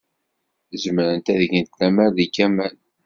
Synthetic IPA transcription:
zəmɾənt̪æðʝənt̪læmæɾðikːæmæn

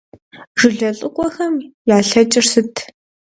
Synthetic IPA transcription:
ʒɨɮɐɬʼɨkʷʼɔxɐmjaːɬɐt͡ʃʼɪrsɨtʰ

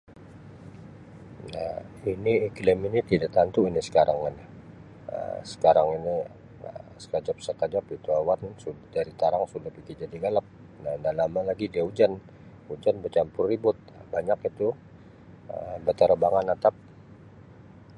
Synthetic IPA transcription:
nahiniklɪminit̪idaʔt̪ant̪uinisə̥kaɾaŋana | ə̰sə̥kaɾaŋini | ə̰sə̥kad͡ʒap̚səkad͡ʒap̚it̪uawansudaɾit̪aɾaŋsudapiɡid͡ʒadiɡalap̚ | nadanlamalaɡidiaud͡ʒan | ud͡ʒanbət͡ʃampʊrːibʊt̪̚baɲakit̪u | əmbət̪əɾəbaŋanat̪ap̚

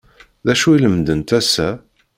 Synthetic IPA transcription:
ðæʃuiləmd̪ənt̪æsːæ

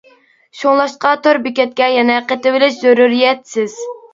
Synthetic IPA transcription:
ʃoŋlˠɑʃqɑt̪oɾbɪkʲɛt̪̚kʲɛjɛnɛqət̪ɪvɪlɪʃzøɾuɾijɛt̪sɪz̥

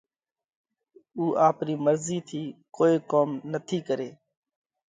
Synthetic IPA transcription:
uːʔaːpɾiːməɾziːt̪ʰiːkoːiːkoːmnət̪ʰiːkəɾeː

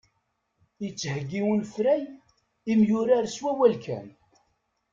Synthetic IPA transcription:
it͡sːhəɡːiwənfɾæj | imjʊɾaɾswæwælkʰæ̰n

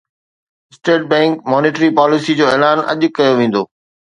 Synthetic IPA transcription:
ɪsʈeːʈ̚bɛ̃ːŋkmɔːneːʈɾipaːlɪsid͡ʑoːɛːlaːnɐ̰ʄʊkɐjoʋẽːn̆d̪oː

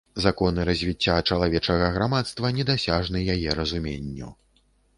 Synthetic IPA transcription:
zakɔn̪ɨɾɐzʲvʲit͡sʲːat͡ʂɐlˠavʲɛt͡ʂɐɣɐɣɾamat̪st̪vɐnʲɛd̪asʲaʐnɨjajɛɾɐzumʲenʲːṵ

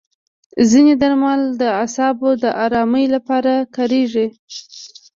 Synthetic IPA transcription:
zined̪aɾmald̪əasɑbod̪əʔɑɾɑməjlapɑɾakɑɾeʐi

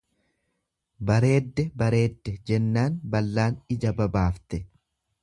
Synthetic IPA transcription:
bɐɾe̞ːd̪ːɛbɐɾe̞ːd̪ːɛd͡ʒɛnːaːnbɐlːaːnɪd͡ʒɐbɐbaːft̪ɛ

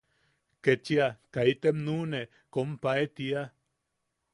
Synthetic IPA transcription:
ket͡ʃiakait̪emnune | kompaet̪ia

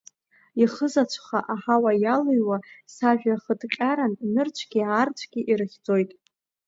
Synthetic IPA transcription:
iχəzat͡ɕʷʰχaʔaħawajalɨjwasaʒᶣaχədqʲʼaɾanːɨrt͡ʃʷʰɡ̥ʲiart͡ʃʷʰɡ̥ʲiʔirɨχʲd͡zo̞jtʼ

